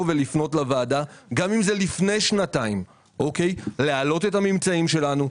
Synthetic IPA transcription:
velifno̞tlavaːdaɡamimzelifne̞jʃnataim | ʔoke̞jlealo̞te̞thamimt͡saimʃe̞lanu

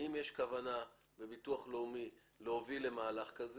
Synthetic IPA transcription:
imjeʃkavana | be̞bituaχloumi | lehovile̞maːlaχkaz

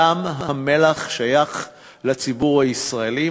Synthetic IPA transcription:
amɦame̞laχʃajaχ | lat͡sibuʁhaisʁaeli

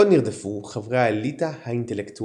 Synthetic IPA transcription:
oniʁd̪efuχavʁaelit̪ahaint̪elekt̪u

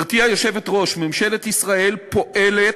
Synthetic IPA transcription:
ʁt̪ijajo̞ʃe̞vetʁo̞ʃmemʃe̞le̞t̪isʁaʔe̞lpo̞ʔe̞le

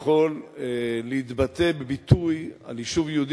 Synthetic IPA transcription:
χo̞lː | eit̪bat̪e̞bebit̪uja̰liʃuvjod̪

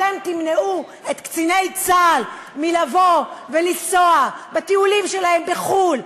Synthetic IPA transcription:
emt̪imneu | et̪kt͡sinejt͡sal | milavovelisoabat̪iulimʃe̞lahe̞mbeχul

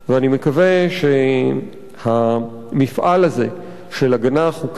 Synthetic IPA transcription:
veanimekaveʃe | ha | mifʔalhaze̞ | ʃelaɡanaχhuk

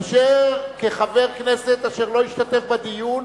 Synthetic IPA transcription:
ʃeʁkeχave̞ʁkneset̪aʃeʁlo̞iʃtat̪e̞fbad̪ijun

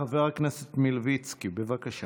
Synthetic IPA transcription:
aveʁaknɛset̪milvit͡skibevakaʃa

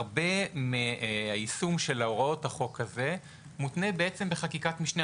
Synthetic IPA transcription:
ʁbe̞meaisumʃe̞laoʁao̞thaχo̞kaze̞ | mutnebeet͡se̞mbeχakikatmiʃne

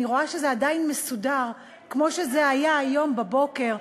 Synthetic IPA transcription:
iʁo̞aʃezeadainmesudaʁ | kmo̞ʃe̞zeajaːjo̞mbabo̞ke̞ʁ

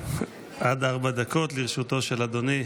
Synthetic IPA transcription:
ʔad̪aʁbad̪ako̞t̪liʁʃut̪o̞ʃelad̪oni

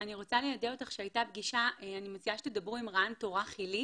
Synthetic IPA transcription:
aniʁo̞t͡salejadeotaχʃeajtabɡiʃaeanimot͡siaʃeted̪abʁuimʁanto̞ʁaχili

